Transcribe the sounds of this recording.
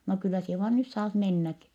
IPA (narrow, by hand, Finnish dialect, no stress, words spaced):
no kylːæ sie ʋɑːn nys sɑːt menːæki